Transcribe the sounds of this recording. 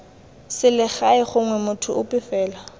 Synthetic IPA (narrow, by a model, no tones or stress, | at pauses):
sɪlɪχaɪχʊŋwɛmʊtʰʊʊpʼɪfɛːla